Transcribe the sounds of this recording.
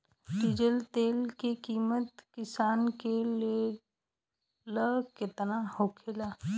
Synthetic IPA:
ɖid͡ʒəlt̪eːlkekiːmət̪kɪsaːnke | ləket̪nahokʰelaː

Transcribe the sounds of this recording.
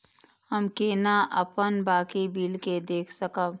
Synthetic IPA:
həmkeːnaʔɐpənbaːkibiːlked̪eːkʰsɐkəb

